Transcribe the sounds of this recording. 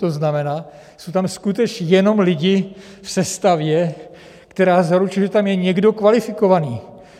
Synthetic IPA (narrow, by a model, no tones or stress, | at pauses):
t̪o̞znamɛnaː | sowt̪amskut̪ɛt͡ʃjɛno̞mlɪɟɪ | fsɛst̪avjɛ | kt̪ɛɾaːzaɾut͡ʃɪʒɛt̪amjɛɲɛɡdo̞kvalɪfɪko̞vaniː